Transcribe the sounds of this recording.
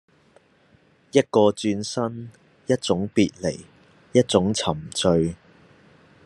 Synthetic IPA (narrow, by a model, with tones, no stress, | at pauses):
jɐ˥t̚kɔː˧t͡ʃyː˧nsɐ˥n | jɐ˥t̚t͡sʊ˨˥ŋpiː˨t̚le˨˩j | jɐ˥t̚t͡sʊ˨˥ŋt͡sʰɐ˨˩mt͡sɵ˧ɥ